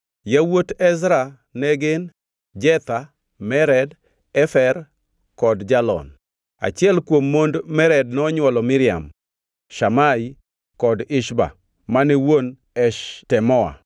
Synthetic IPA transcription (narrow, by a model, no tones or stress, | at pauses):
jawotɛsɾa | nɛɡɪn | d͡ʒɛt̪a | mɛɾɛd | ɛfɛr | kɔdd͡ʒalɔ̰n | a̰t͡ʃɪɛlkwomːondmɛɾɛd̚nɔɲwɔlɔmɪɾɪa̰m | ʃamai | kɔdɪʃba̰ | manɛwon | ɛʃtɛmɔa̰